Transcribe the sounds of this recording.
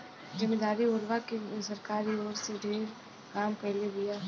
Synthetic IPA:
zɪmed̪aːɾioːɾʋakesɐɾkaːɾioːɾseɖʱeːɾ | kaːmpɛɦleɦʊjaː

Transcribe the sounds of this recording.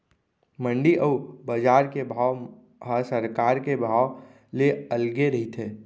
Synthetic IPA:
mə̃ɳɖiʔəubəd͡ʒaːɾkebʱaːw | ɦəsəɾkaːɾkebʱaː | leəlɡeɾɐɦit̪ʰeː

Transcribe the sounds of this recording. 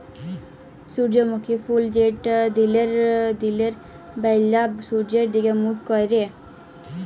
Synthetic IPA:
suɾd͡ʒemukʰifʰuld͡ʒeʈd̪ileɾd̪ileɾ | bɛjlːasuɾd͡ʒeɾd̪iɡemukkɔjɾe

